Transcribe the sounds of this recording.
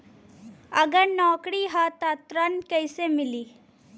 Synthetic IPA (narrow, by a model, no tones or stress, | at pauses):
ɐɡənɔːkɽiɦat̪at̪ɾankəjsemɪliː